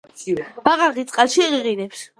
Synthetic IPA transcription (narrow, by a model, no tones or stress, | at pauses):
b̥aʁaʁit̪sʼqʼalʃiʁiʁinɛps